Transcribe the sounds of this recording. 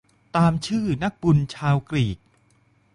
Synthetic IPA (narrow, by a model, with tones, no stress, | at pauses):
t̪aː˧mt͡ɕʰɯː˥˩na˦˥k̚bu˧nt͡ɕʰaː˧wkɾiː˨˩k̚